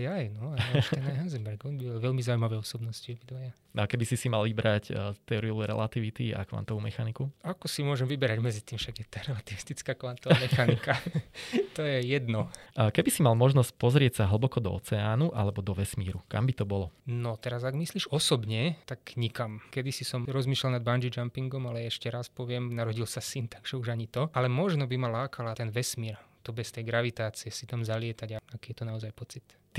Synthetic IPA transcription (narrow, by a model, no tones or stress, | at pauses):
jajnɔaʃt̪ɛnaɦanzɛmbɛɾɡɔnbibalʋɛlmizawuimaʋɛɔsɔbnɔsciɔbid̪ʋaja | akɛbisisimalʋibɾact̪ɛɔɾiluɾɛ̰lat̪iʋit̪ia̰kʋa̰nt̪ɔʋumɛxanikuakɔsimʊɔʒɛmʋibɛɾaɟmɛd͡zit̪iːmfʃaɡjɛt̪aɾɛlat̪iʋist̪it͡skaːkʋant̪ɔʋamɛxanika | t̪ɔjɛjɛd̪nɔkɛbisimalmɔʒnɔsc̚pɔzɾɪɛcsaɦl̩bɔkɔd̪ɔ̰ɔ̰t͡sɛaːnuʔa̰lɛbɔd̪ɔʋɛsmḭːɾuka̰mbit̪ɔbɔlɔnɔt̪ɛɾazaɡmisliːʒɔsɔbɲɛt̪akɲikamkɛd̪isisɔmɾɔzmiːʃlalnad̪band͡ʒid͡ʒampiŋɡɔmalɛɛʃcɛɾaspɔʋɪɛmnaɾɔɟilsasint̪aɡ̥ʒ̥ɛuʒaɲit̪ɔalɛmɔʒnɔbimalaːkʰalat̪ɛnʋɛsmiːɾt̪ɔbɛst̪ɛjɡɾaʋit̪aːt͡siɛsit̪amzalɪɛt̪aɟaakiːjɛt̪ɔnaɔzajpɔt͡sit̪